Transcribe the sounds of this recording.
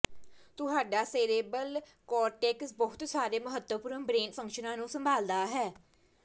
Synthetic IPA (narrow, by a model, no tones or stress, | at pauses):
t̪ʊɦaːɖaːseːɾeːbəl | kɔːɾʈɛːksbəɦʊt̪saːɾeːməɦət̪wəpʊɾənbɾeːnpʰə̃ŋkʃənãːnũːsəmbʱaːld̪aːɦɛː